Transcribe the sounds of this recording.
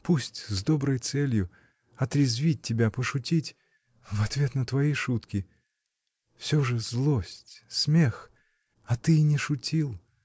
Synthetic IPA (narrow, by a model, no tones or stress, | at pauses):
pusʲtʲzd̪o̞bɾəjt̪sɛlʲjʊ | ɐt̪ɾʲɪzvʲit̚ʲtʲːɪbʲapəʂʊtʲitʲ | vɐt̪vʲe̞t̪nət̪vɐiʂut̪kʲɪ | fsʲoʐɨzlˠosʲtʲsmʲex | ɐt̪ɨnʲɪʂʊtʲilˠ